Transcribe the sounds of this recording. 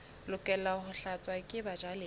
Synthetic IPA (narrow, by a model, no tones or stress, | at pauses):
lʊkʼɛlahʊɬat͡sʼwakʼɪbad͡ʒalɪ